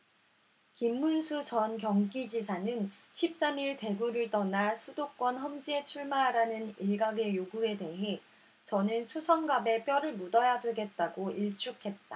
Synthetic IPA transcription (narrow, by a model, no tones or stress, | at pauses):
kimːunsʰut͡ɕʌnkjʌŋɡid͡ʑisʰanɯn | ɕʰip̚s͈amiɭte̞ɡuɾɯɭt͈ʌnasʰudok͈wʌnɦʌmd͡ʑie̞t͡ɕʰuɭmaɦaɾanɯniɭɡaɡe̞joɡue̞de̞ɦe̞ | t͡ɕʌnɯnsʰusʰʌŋɡabe̞p͈jʌɾɯɭmudʌjadweɡe̞t̚t͈aɡoʔiɭt͡ɕ͈ukʰe̞t̚t͈a